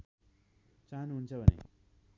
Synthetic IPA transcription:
t͡sanuɦunt͡sʰʌbʱʌnḛ

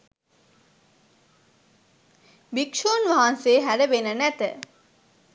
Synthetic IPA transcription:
bikʂoːnʋaɦanseːɦæɾəʋenənæt̪ə

